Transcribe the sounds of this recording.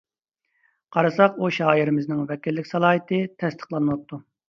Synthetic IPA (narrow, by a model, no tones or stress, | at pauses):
qʰɑɾɑsɑquʃɑːiɾɪmɪznɪŋvɛkʲilːɪkʲsɑlˠɑːjit̪ʰɨt̪ʰɛst̪ʰə̥χlˠɑnɨwɑp̚t̪ʰːu